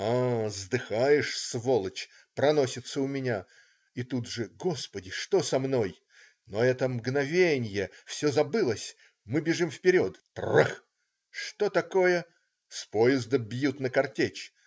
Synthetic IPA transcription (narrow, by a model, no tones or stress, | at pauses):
azd̪ɨxajɪʂsvolˠət͡ɕ | pɾɐno̞sʲɪt̪səʊmʲɪnʲa | it̪ud̪ʐɨɡospədʲɪʂt̪o̞sɐmno̞j | noɛt̪əmɡnɐvʲenʲjəfsʲozɐbɨlˠəsʲ | mɨbʲɪʐɨmfpʲɪɾʲo̞t̪ | rə̰ | ʂt̪ot̪ɐko̞jə | spojɪzd̪əbʲjut̪nəkɐrtʲet͡ɕ